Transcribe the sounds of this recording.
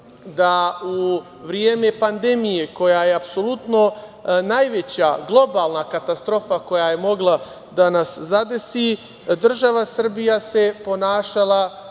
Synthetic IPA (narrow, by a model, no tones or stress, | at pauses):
d̪au | ʋɾijeːme̞pand̪e̞mijeko̞jajeapso̞lut̪no̞najʋet͡ɕaɡlˠo̞baːlˠnakat̪ast̪ɾo̞fako̞jajemo̞ɡlˠa | d̪anaszad̪e̞si | d̪r̩ʒaʋasr̩bijase̞po̞naːʃalˠa